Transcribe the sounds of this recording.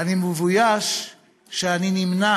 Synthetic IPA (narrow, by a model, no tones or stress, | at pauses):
animəvujaʃ | ʃeaninimna